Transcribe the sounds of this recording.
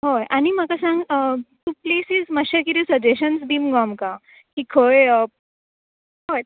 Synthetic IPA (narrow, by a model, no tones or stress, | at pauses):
ɦojʔañimakasãŋɡət̪upleːsizməɕakit̪isəd͡ʑeɕənsd̪iːmɡɔmka | kikʰoə | ɦoj